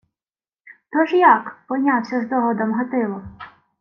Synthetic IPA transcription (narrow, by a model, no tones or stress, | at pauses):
t̪ɔʒjɑkpɔnʲawsʲɔzd̪ɔɦɔd̪ɔmɦɔt̪ɪʋɔ